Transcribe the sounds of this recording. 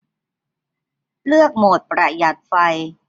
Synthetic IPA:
lɯ˥˩ək̚moː˨˩t̪̚pɾa˧˩ja˨˩t̪̚fa˧j

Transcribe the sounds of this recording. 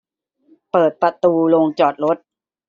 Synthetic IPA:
pɤː˨˩t̪̚pɾa˧t̪uː˧loː˧ŋt͡ɕɔː˨˩t̪̚ɾo˦˥t̪̚

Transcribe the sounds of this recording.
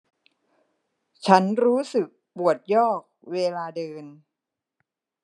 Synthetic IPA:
t͡ɕʰa˦˥nɾuː˦˥sɯ˨˩k̚pu˨˩ət̪̚jɔː˥˩k̚weː˧laː˧dɤː˧n

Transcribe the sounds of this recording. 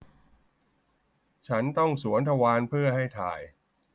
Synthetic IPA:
t͡ɕʰa˦˥nt̪ɔ˥˩ŋsu˩˦ənt̪ʰa˧waː˧npʰɯ˥˩ɐɦa˥˩jt̪ʰa̰ː˨˩j

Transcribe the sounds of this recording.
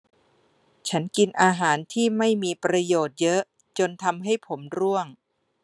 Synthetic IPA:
t͡ɕʰa˦˥nki˧nʔaː˧ɦaː˩˦nt̪ʰiː˥˩ma˥˩jmiː˧pɾa˧joː˨˩t̪̚jɤ˦˥ʔ | t͡ɕo˧nt̪ʰa˧mɦa˥˩jpʰo˩˦mɾu˥˩əŋ

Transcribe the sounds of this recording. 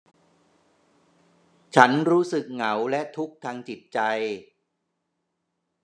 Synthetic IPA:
t͡ɕʰa˦˥nɾuː˦˥sɯ˨˩k̚ŋa˩˦wlɛ˦˥t̪ʰu˦˥k̚t̪ʰaː˧ŋt͡ɕi˨˩t̪̚t͡ɕa˧j

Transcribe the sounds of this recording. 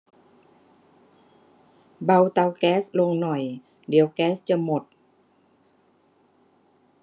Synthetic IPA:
ba˧˨wt̪a˧wkɛː˦˥slo˧ŋnɔ˨˩j | di˨˦əwkɛː˦˥st͡ɕa˧˥mo˧˩t̪̚

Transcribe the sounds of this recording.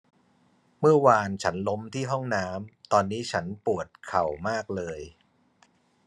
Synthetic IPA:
mɯ˥˩ɐwaː˧nt͡ɕʰa˦˥nlo˦˥mt̪ʰiː˥˩ɦɔ˥˩ŋnaː˦˥mt̪ɔː˧nːiː˦˥t͡ɕʰa˦˥npu˨˩ət̪̚kʰa˨˩wmaː˥˩k̚lɤː˧j

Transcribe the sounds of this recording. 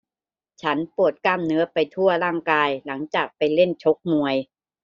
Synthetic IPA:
t͡ɕʰa˦˥npu˨˩ət̪̚ka˧˩mnɯ˦˥ɐpa˧jt̪ʰu˥˩ɐɾaː˥˩ŋkaː˧jla˩˦ŋt͡ɕaː˨˩k̚pa˧jle˥˩nt͡ɕʰo˦˥k̚mu˧əj

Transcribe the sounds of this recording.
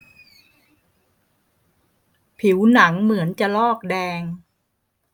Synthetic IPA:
pʰi˩˦wna˩˦ŋmɯ˩˦ənt͡ɕa˨˩lɔː˥˩k̚dɛː˧ŋ

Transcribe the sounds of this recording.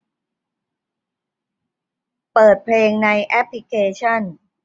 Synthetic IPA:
pɤː˨˩t̪̚pʰleː˧ŋna˧jʔɛ˦˥pʰli˧˦˥kʰeː˧t͡ɕʰɔ˥˩n

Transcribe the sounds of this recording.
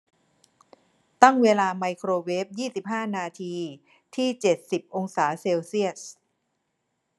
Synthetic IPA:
t̪a˥˩ŋweː˧laː˧ma˧jkʰɾoː˧weː˦˥p̚jiː˥˩si˨˩p̚ɦaː˥˩naː˧t̪ʰiː˧ | t̪ʰiː˥˩t͡ɕe˨˩t̪̚si˨˩p̚ʔo˧ŋsaː˩˦seː˧wsi˥˩ət̪̚

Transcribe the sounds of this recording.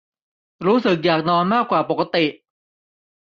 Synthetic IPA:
ɾuː˦˥sɯ˨˩k̚jaː˨˩k̚nɔː˧˥nmaː˥˩kːwaː˨˩po˨˩ka˧t̪i˨˩ʔ

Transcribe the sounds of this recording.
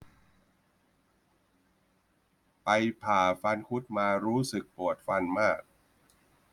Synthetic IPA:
pa˧jpʰaː˨˩fa˧nkʰu˦˥t̪̚maː˧ɾuː˦˥sɯ˨˩k̚pu˨˩ət̪̚fa˧nmaː˥˩k̚

